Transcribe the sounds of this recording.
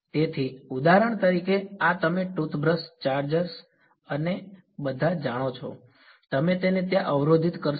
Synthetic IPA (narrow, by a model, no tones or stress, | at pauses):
t̪et̪ʰiud̪aɾəɳ̃t̪əɾikeat̪əmeʈut̪bɾəst͡ʃaɾd͡ʒəs | əne | bəd̪ʱad͡ʒaɽ̃ot͡ʃʰo̰ | t̪əmet̪enet̪jãʔəʋɾod̪ʱit̪kəɾ